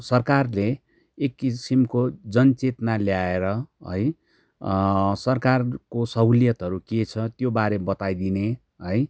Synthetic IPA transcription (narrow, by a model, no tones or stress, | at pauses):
sʌrkarleː | kːisimkod͡zʌnt͡set̪naljaeɾʌɦʌ̰j | sʌrkarkosʌuljʌt̪ɦʌɾuket͡sʰʌt̪jobaɾebʌt̪ajd̪ine | ɦʌj